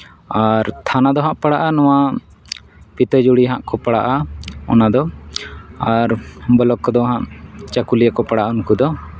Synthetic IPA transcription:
aɾt̪ʰanad̪ɔɦãʔpaɽaʔanɔwa | pit̪əd͡ʒuɽiɦãʔkɔpaɽaʔaɔ̰nad̪ɔ | aɾbəlɔkːɔd̪ɔɦãʔt͡ʃakulijakɔpaɽaʔaunkud̪ɔ

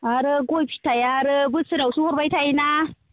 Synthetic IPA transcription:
aɾəɡopi̥tajaɾəbɨsɨɾawsuhuɾbataina

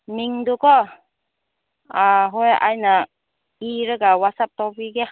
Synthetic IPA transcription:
miŋd̪ukɔ | aɦɔjʔa̰jna | iɾɯɡawatsap̚t̪ɔpiɡɛ

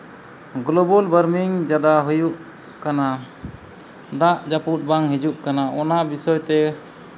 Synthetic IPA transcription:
ɡlɔbɔlbəɾmiŋd͡ʒad̪aɦujuʔ | kana | d̪aʔd͡ʒaput̪̚baŋɦid͡ʒuʔkanaɔnabisɔjt̪ɛ

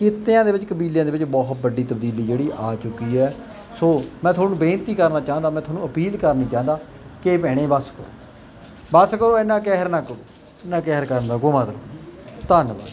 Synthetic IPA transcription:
kɪt̪ːejãːd̪eːʋɪt͡ʃkəbiːljãːd̪eːʋɪt͡ʃbɔːɦt̪̚bəɖiːt̪əb̚d̪iːliːd͡ʒeːɽiːʔaːt͡ʃʊkːiːɛː | soːmɛ̃ːt̪ʰʊaːnũːbẽːnt̪iːkəɾnaːt͡ʃaːənd̪aːmɛ̃ːt̪ʰoaːnũːəpiːlkəɾnĩːt͡ʃaːɦənd̪aː | keːpɛːɽ̃ẽːbəskəɾo̰ː | bəskəɾoːɪnãːkɛɦəɾnaːkː | ɪnãːkɛɦəɾkəɾənd̪aːɡʊmãːt̪əɾoːt̪ənba̰ː

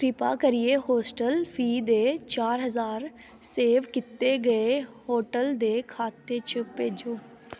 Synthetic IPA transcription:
kɾɪpa̰ːkəɾɪeːɦoːsʈəlfʰiːd̪eːt͡ʃaːɾɦəzaːɾ | seːʋkɪt̪eɡəehoːʈəld̪eːkʰaːt̪ːeːt͡ʃʰəpeːd͡ʒoː

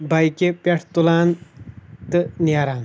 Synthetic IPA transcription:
bɐjkepɐʈʰt̪ulaːn | t̪ɨnijaːɾaːn

